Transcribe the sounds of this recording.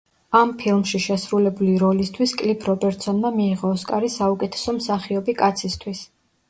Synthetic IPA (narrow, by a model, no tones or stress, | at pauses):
ampʰilˠmʃiʃɛsɾulɛbuliɾɔlist̪ʰwiskʼlipʰɾɔbɛɾt̪ʼsɔnmamiːʁɔːskʼaɾisaukʼɛt̪ʰɛ̥sɔmsaχiɔbikʼat̪sʰist̪ʰwis